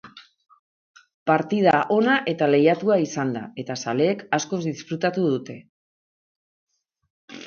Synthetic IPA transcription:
paɾt̪ið̞aʔo̞naʔe̞t̪ale̞jat̪uaisand̪a̰e̞t̪asale̞ːkasko̞zd̪isfɾut̪at̪uð̞ut̪e̞

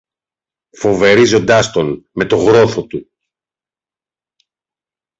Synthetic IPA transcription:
fo̞ve̞ɾizo̞nd̪ɐst̪o̞nme̞t̪o̞ɣɾo̞θo̞t̪u

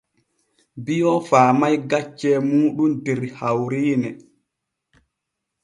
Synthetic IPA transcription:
bijɔfaːmajɡat͡ʃːɛːmuːɗumdɛɾhawɾiːnɛ

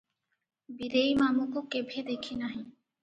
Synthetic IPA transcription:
biɾejmamukokebʱed̪ekʰinaɦĩ

